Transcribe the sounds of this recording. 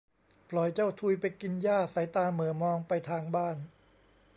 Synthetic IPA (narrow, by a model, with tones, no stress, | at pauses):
pʰlɔ˨˩˦jt͡ɕa˥˩wt̪ʰuː˧jpa˧jki˧njaː˥˩sa˩˦jt̪aː˧mɯ˩˦əmɔː˧ŋpa˧jt̪ʰaː˧ŋbaː˥˩n